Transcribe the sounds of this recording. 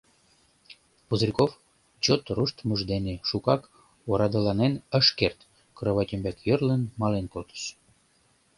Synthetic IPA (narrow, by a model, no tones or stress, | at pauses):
puzrʲikof | t͡ɕot̪ruʃt̪məʒd̪eneʃukɑk | oɾɑd̪əlɑnenə̆ʃkert̪ | kɾəβɑtʲəmbækjərlənmɑlenkolt̪ə̥ʃ